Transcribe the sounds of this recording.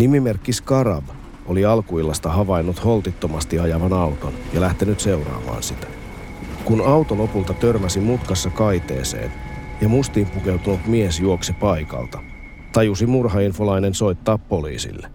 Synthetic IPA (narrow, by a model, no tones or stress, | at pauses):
nimimerkːiskɑɾɑ̰b | oliɑlkuilːɑst̪ɑɦɑʋɑjnːut̪ho̞lt̪it̪ːomɑst̪iɑjɑʋɑnɑwt̪o̰njɑlæht̪enyt̪se̞wrɑ̰ːmɑ̰ːnsit̪æ̥ | kunɑwt̪olo̞pult̪ɑt̪ørmæsimut̪kɑsːɑkɑjt̪e̞̰ːsḛːnjɑmust̪iːmpuke̞wt̪unut̪miesjuoksipɑjkɑ̰lt̪ɑ | t̪ɑjusimurɦɑinfolɑjne̞nso̞jt̪ːɑːpːo̞lḭːsḭlːe